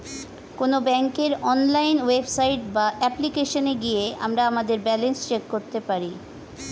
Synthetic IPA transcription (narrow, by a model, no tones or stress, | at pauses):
konobɛŋkeɾɔnlajnwebsajʈbaʔɛplikeʃoneɡijea̰mɾaamad̪eɾbɛlenst͡ɕekːoɾt̪epaɾi